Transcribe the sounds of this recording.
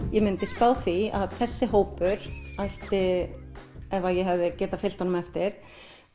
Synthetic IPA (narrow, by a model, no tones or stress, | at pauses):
jɛmɪnt̪ɪspaːwθvia̰ðθɛsːɪɦoːwpʏɾ̥ajht̪ɪ | ɛvajɛɦɛvðɪcɛːt̪afɪlt̪hanʏmɛft̪ɪɾ̥